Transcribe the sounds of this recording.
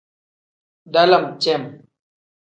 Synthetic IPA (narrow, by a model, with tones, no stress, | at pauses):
da˦lə˦˨m˨t͡ʃɛ˦˨m